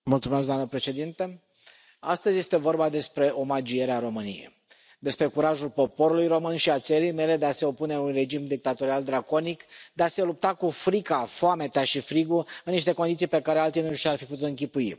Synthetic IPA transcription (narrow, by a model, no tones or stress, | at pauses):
mult̪sumesɡd̪amnəpɾe̞ʃe̞d̪int̪e | ast̪əzʲje̞st̪evo̞rbad̪e̞spɾe̞o̞mad͡ʒije̞ɾeaɾo̞mɨnḭjḛj | d̪e̞spɾe̞kuɾaʒulpo̞po̞ɾulujro̞mɨnʃiat̪seɾijme̞le̞d̪e̞ase̞o̞pune̞unre̞d͡ʒimd̪ik̚t̪at̪o̞ɾiald̪ɾako̞nikd̪ease̞lup̚t̪akufɾikafoame̞t̪aʃifɾiɡuɨnːiʃt̪e̞kond̪it̪sijpe̞kaɾealt̪ijnuʃarfiput̪ut̪ɨŋk̬ʲipui